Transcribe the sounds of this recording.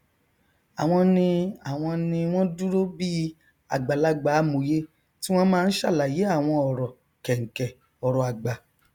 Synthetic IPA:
a˨w̃ɔ̃˧nĩ˧a˨w̃ɔ̃˧nĩ˧w̃ɔ̃˦du˦ɾo˦bi˦ | a˨ɡ͡ba˨la˦ɡ͡ba˨˦mo˨je˦ | ti˦w̃ɔ̃˦mãː˦˧n̩˦ʃa˦˨la˨je˨˦a˦˨w̃ɔ̃˧ɔ˨ɾɔ˨ | kɛ˨ŋ̩˨kɛ˨ | ɔ˨ɾɔ˨a˨ɡ͡ba˨

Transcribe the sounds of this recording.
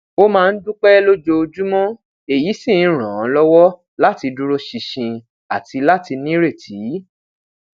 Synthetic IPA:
o˦mãː˦˧n̩˦dũ˦k͡pɛ˦lo˦d͡ʒo˧o˧d͡ʒu˦mɔ̃˦ | e˨ji˨˦sĩ˦˨˦ɾ̃ã˨˦lɔ˦wɔ˦ | la˦ti˧du˧ɾo˧ʃi˧ʃĩ˧ | a˨ti˧la˦ti˧nĩ˦ɾe˦˨tʰi˨˦

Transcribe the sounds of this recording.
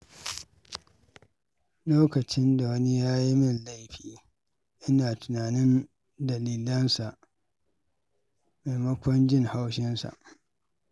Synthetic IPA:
loː˦kɐ˨t͡ʃɪ˦nda˨wɐ˦ni˦jaː˦ji˦mɪ˦nla˦jɸiː˨ | ʔɪ˦naː˨tʊ˨naː˨nɪ˦n | dɐ˨liː˨lɐ˦nsa˨ʔ | ma˨mɐ˦kʷɔ˦nd͡ʒɪ˦ŋha˦wʃɪ˦nsa̰˨ʔ

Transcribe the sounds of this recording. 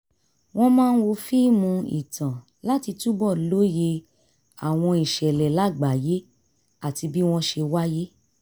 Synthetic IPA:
w̃ɔ̃˦mãː˦˧n̩˦wo˧fi˦mũ˧ḭ˨tʰã˨ | la˦ti˧tu˦bɔ˦˨lo˨˦je˧ | a˨w̃ɔ̃˧i˨ʃɛ˨lɛ˨la˨˦˨ɡ͡ba˨˦je˦ | a˦˨ti˧bi˦w̃ɔ̃˦ʃe˧wa˦je˦

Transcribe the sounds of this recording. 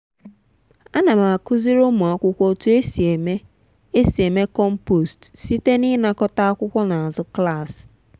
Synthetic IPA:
a˦na˨ma˨a˨kʊ˦zi˦ɾo˦mu˨a˦kʷʊ˦kʷo˦tu˦e˦si˨e˨me˦ | e˦si˨e˨me˦kɔ˦m̩˦po˨stsi˦te˦ni˦na˦kɔ˦ta˦a˦kʷʊ˦kʷɔ˦na˨a˨zʊ˦kla˦˨s

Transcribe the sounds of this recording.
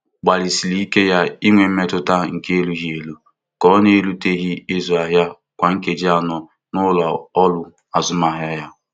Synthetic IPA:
ɡ͡ba˨li˨si˨li˦i˦ke˦ja˦i˦ŋʷe˨m̩˦me˦tʊ˦ta˦ŋ̩˨ke˦e˦lu˦ɦi˦e˨lu˦ | kɔ˦ne˦e˦lu˦te˦ɣi˦ɪ˦zu˨a˨ɦja˦ | kʷa˨ŋ̩˦ke˨d͡ʒi˦a˨nɔ˦ | nʊ˦la˨ɔ˦lʊ˦ | a˨zʊ˦m˨a˨ɦja˦ja˦

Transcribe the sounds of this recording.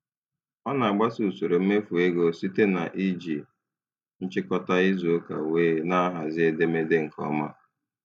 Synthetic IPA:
ɔ˦na˨a˨ɡ͡ba˦su˨so˨ɾo˨m̩˦me˦fu˨e˦ɡo˦si˦te˦na̰˨ʔi˦d͡ʒi˨ | n̩˦t͡ʃɪ˦kɔ˦ta˦i˦zo˨o˦ka̰˨weː˦na˦a˦ɦa˨zɪ˦e˦de˦me˦de˦ŋ̩˨kʰɔ̰˦ma˦

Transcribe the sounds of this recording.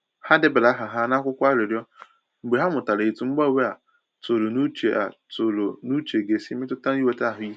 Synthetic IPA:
ha˦de˦be˨la˦ɦa˨ɦa˦na˦kʷʊ˦kʷa˦ɾɪ˨ɾjɔ˦ | ŋ͡m̩˨ɡ͡be˨ɦa˦mʊ˨ta˨le˨e˨tu˨˦ŋ͡m̩˦ɡ͡ba˦˨we˦a˨ | to˨lo˨nu˦t͡ʃḛ˨ʔa̰˨tʊ˨lo˨nu˦t͡ʃe˨ɡe˨si˦mɪ˦tʊ˦ta˦n˦i˦we˦ta˦˨ɦʊ˨˦ji˦

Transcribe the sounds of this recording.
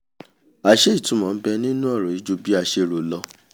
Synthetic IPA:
a˨ʃe˦i˦˨tũ˨˦mɔ̃˨n̩˦bɛ˧nĩ˦nũ˦ɔ˦˨ɾɔ̃˨i˨˦d͡ʒo˧bi˦a˧ʃe˧ɾo˨lɔ˧

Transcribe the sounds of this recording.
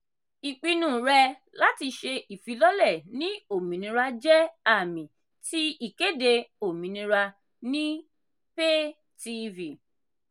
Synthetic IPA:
i˨k͡pi˧nũ˦˨ɾɛ˧ | la˦ti˧ʃe˧ʔi˨fi˨˧˦lɔ˦lɛ˦˨nĩ˦o˦˨mĩ˨nĩ˧ɾa˧d͡ʒɛ˦a˦˨mĩ˨ | ti˦i˦˨ke˦de˧o˨mĩ˨nĩ˧ɾa˧ | nĩ˦ | pe˦ | ti˧vi˨

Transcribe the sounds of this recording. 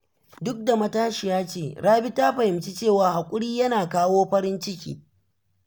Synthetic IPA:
dʊ˦k̚da˨mɐ˦taː˦ʃi˨jaː˦t͡ʃeː˦˨ɽaː˦bi˦taː˦ɸɐ˨hɪ˨mt͡ʃi˦t͡ʃeː˦˨waː˨˦ha˨kʷʼʊ˦ɽiː˦jɐ˦naː˨kaː˦woː˦ɸɐ˦ɾɪ˦nt͡ʃɪ˦kʲḭː˨

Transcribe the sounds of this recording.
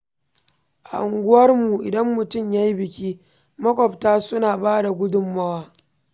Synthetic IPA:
ʔa̰˨ʔʊ˨ŋɡʷʊ˦wɐ˦rmu˨ʔɪ˨dɐ˦mːʊ˨tʊ˦˨mja˦ji˦bɪ˨kʲiː˦ | mɐ˦kʷʼɔ˨btaː˦sʊ˦naː˨baː˦da˨ɡʷʊ˦dʊ˦mːɐ˦waː˦

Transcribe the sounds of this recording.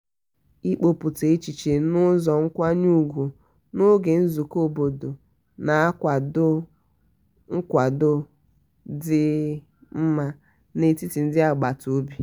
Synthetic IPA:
i˦k͡po˨pu˨te˨i˦t͡ʃi˨t͡ʃe˨nʊ˦zɔ˨ŋ̩˦kʷa˦ɲu˦ɡʷu˨ | no˦ɡe˨n̩˦zu˨ko˦bo˨do˨ | na˨a˦kʷa˨dʊ˦ | ŋ̩˦kʷa˨dʊ˦ | dɪ˦ | m̩˦ma˦ | ne˦ti˦ti˨n̩˦dɪ˦a˨ɡ͡ba˨to˨˦bi˦

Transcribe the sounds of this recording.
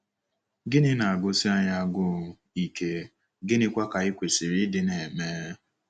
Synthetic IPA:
ɡɪ˦nɪ˦na˨a˨ɡʊ˦si˦a˦ɲa˦˨ɡʊ˦˨ | i˨ke˦ | ɡɪ˦nɪ˦kʷa˦ka˨i˦kʷe˨si˨ɾi˦dɪ˦ne˨meː˦

